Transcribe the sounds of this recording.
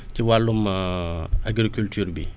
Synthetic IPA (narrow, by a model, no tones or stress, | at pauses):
tiwalːum | aɡɾikyltyːɾbi